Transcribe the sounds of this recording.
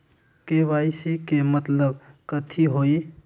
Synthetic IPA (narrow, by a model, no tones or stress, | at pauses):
keʋajsikemət̪ləbkət̪ʰiɦoi